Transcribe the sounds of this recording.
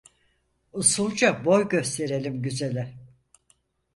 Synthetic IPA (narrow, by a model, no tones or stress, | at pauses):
usulˠd͡ʒabo̞jɟø̞st̪ʰe̞ɾe̞lʲimɟyzelʲɛ